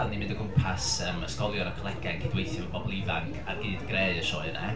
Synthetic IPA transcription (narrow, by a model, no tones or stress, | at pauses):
animɪndəɡʊmpʰasəməskɔlˠjɔnakʰəlˠɛɡaɛnkʰɪdwejθjɔɔbɔbɔlˠɪvaŋkʰa̰rɡɨːdɡreɨəʃɔɨnɛ̰